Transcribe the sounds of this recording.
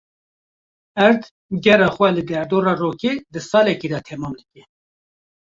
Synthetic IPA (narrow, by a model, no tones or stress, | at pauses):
ɛɾt̪ | ɡɛrɑːxwɛlɨd̪ɛɾd̪oːɾɑːroːkeːd̪ɨsɑːlɛkiːd̪ɑt̪ʰɛmɑːmd̪ɨkɛ